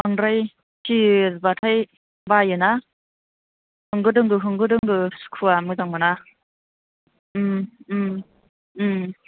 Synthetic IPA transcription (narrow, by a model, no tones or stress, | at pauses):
aŋɾaj | sʰizbatʰaj | bajɯna | hɯŋɡɯdɯŋɡɯɦɯŋɡɯdɯŋɡɯsu̥kʰuamɯzaŋmɯna | mm